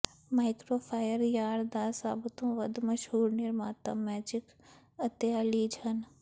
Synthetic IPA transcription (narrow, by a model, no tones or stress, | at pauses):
maːɪkɾoːpʰaːjəɾjaːɾd̪aːsaːbt̪õːʋəd̪mɐʃɦuːɾneɾmaːt̪ə̰mːɛːd͡ʒɪk | ət̪jaːliːd͡ʒʱɐn